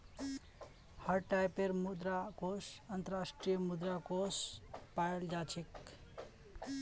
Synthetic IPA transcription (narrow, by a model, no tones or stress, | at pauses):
hʌɾʈajpeɾmud̪ɾakosənt̪ʌɾasʈɾijəmud̪ɾakospajld͡ʒat͡ʃʰek